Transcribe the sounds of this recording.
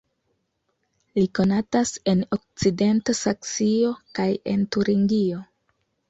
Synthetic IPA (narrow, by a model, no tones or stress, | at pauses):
liko̞natase̞nok̚t͡side̞ntasakt͡sio̞kaje̞̰ntuɾiŋɡio̞